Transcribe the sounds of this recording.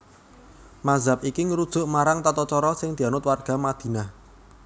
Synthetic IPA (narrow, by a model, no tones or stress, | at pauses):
mazap̚ikiŋəɾud̥ʒ̥ʊ̤ʔmaɾaŋt̪at̪ɔt͡ʃɔɾɔsɪŋd̪̥ianʊt̪̚warɡ̥a̤mad̪̥i̤na